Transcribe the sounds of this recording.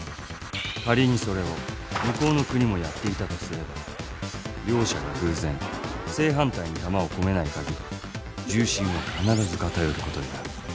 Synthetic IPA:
kaɾʲiɲ̟iso̞ɾe̞o̞ | mɯ̟ko̞ːno̞kɯ̟ɲ̟imo̞jat̪ːe̞it̪at̪o̞sɨɾe̞ba | ɾʲo̞ːɕaɡahɯ̟ːzẽ̞ɴse̞ːɦãnt̪aiɲ̟it̪amao̞ko̞me̞naikaɡʲiɾʲi | d͡ʑɨːɕĩɰ̃o̞kanaɾazɨkat̪ajo̞ɾɯ̟ko̞t̪o̞d̪enaɾɯ̟

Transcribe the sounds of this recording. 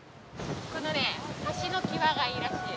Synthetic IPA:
ko̞no̞neataɕino̞kʲiβaɡaiɾaɕt̪e

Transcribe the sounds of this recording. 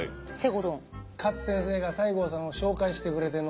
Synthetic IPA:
seɡod̪õŋkat͡sɨ̥sẽɰ̃se̞ːɡasaiɡo̞ːsãɰ̃o̞ɕo̞ːkaiɕi̥t̪e̞kɯ̟ɾe̞t̪en

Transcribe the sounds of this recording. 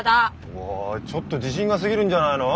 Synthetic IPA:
da | wat͡ɕʌt͈otiɕ̬ʰiŋɡas̬ʰɯɡiɾɯnd͡ʑanaɾo

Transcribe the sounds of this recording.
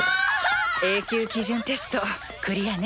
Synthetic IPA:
e̞ːkʲɨːkʲiʑɨ̃nt̪e̞sɨ̥t̪o̞ | kɯ̟ɾʲijan

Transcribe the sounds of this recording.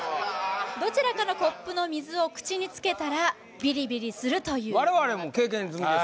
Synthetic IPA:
d̪o̞t͡ɕiɾakanoko̞pːɯ̟no̞mʲizɨo̞kɯ̟̥t͡ɕiɲ̟it͡sɨ̥ke̞t̪aɾa | bʲiɾʲibʲiɾʲisɨɾɯ̟t̪o̞jɯ̟ːaɾe̞βaɾe̞moke̞ːk̬ẽ̞ɲːzɨm

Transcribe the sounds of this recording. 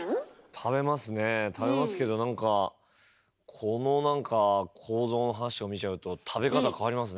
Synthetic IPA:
t̪ʰabe̞masɨne̞t̪ʰabe̞masɨ̥ke̞d̪o̞nãŋka | kʰo̞no̞nãŋkʰakʰo̞ːzo̞ːno̞ɦanaɕio̞mʲit͡ɕaɯ̟t̪o̞t̪ʰabe̞kat̪akʰaβaɾʲimas̬ɨ

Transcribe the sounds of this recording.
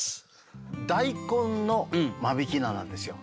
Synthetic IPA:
d̪aikõnno̞mabikʲinanã̰nd̪e̞sɨjo

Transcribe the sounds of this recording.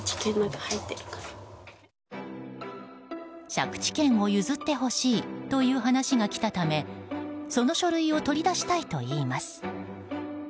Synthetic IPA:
t͡ɕi̥kẽnːakahait̪ːeɾɯ̟̥kḁ | ɕa̰kɯ̥t͡ɕi̥kẽ̞ɰ̃o̞jɯ̟zɨt̪ːe̞ɦo̞ɕiːt̪o̞jɯ̟ːɦanaɕiɡakʲi̥t̪at̪ame̞so̞no̞ɕo̞ɾɯ̟io̞t̪o̞ɾʲid̪aɕi̥t̪ait̪o̞iːmasɨ̥

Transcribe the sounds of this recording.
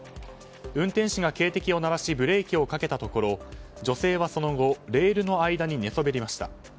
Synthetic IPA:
ɯ̟̃nt̪ẽɕiɡake̞ːt̪e̞kʲio̞naɾaɕibɯ̟ɾe̞ːkʲio̞kake̞t̪at̪o̞ko̞ɾo̞ | d͡ʑo̞se̞ːβ̞aso̞no̞ɡo̞ɾe̞ːɾɯ̟no̞aid̪aɲ̟ine̞so̞be̞ɾʲimaɕi̥t̪a̰

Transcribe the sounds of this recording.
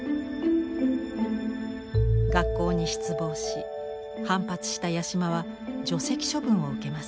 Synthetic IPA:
ɡakːo̞ːɲ̟iɕi̥t͡sɨbo̞ːɕi | hãmpat͡sɨ̥ɕi̥t̪ajaɕimaβa | d͡ʑo̞se̞kʲi̥ɕo̞bɯ̟̃ɰ̃o̞ɯ̟ke̞masɨ̥

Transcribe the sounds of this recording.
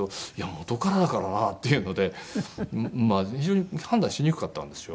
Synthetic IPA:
oijamo̞t̪o̞kaɾad̪akaɾanat̪ːe̞jɯ̟no̞d̪e̞ | maçiʑo̞ːɲ̟ihãnd̪ãɕiɲ̟ikɯ̟̥kat̪ːã̰nd̪e̞sɨjo

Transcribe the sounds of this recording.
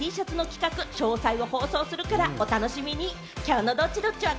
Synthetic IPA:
iːɕat͡sɨno̞kʲi̥kakɯ̟ɕo̞ːsaiβo̞ho̞ːso̞ːsɨɾɯ̟kaɾao̞t̪ano̞ɕimʲiɲ̟i | kʲaɯno̞d̪o̞t͡ɕid̪o̞t͡ɕiβa

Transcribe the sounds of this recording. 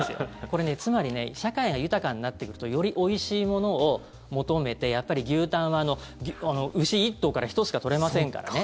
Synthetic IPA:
sɨjo̰ko̞ɾe̞ne̞t͡sɨmaɾʲine̞̰ɕakaiɡajɯ̟t̪akãɲ̟inat̪ːe̞kɯ̟ɾɯ̟t̪ojo̞ɾʲiʔo̞iɕiːmo̞no̞ː | mo̞t̪o̞me̞t̪e̞japːaɾʲiɡʲɨːt̪ãɰ̃βaːno̞ | ɡʲano̞ʔɯ̟ɕiːt̪ːo̞ːkaɾaçi̥t̪ot͡sɨ̥kat̪o̞ɾe̞masẽ̞ŋka̰ɾa̰ne

